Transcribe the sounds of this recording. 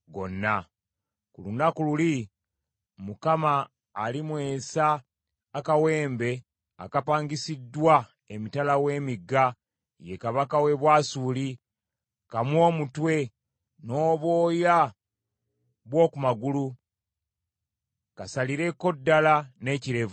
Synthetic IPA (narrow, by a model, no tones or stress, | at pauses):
ɡo̞̰nːa | kulunakululi | mukamaː | limwe̞ːsaː | kawe̞ːmbe̞ | a̰kapaːŋɡisidːwa | emitalawe̞ːmiɡːa | je̞kaβakawe̞βwaːsuli | kamwo̞ːmutwe̞ | no̞ːβwo̞ːja | βwo̞ːkumaɡulu | kasaliɾe̞ko̞dːalane̞ciɾe̞vu